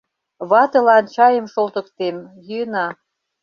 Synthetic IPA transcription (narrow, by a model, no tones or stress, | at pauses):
βɑt̪ɤ̆lɑnt͡ɕɑjəmʃolt̪ə̆kt̪emjyənɑ